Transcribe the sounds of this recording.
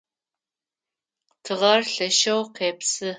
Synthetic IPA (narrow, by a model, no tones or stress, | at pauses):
tʰɨʁɐrɬɐʃɐwqeːpsɨ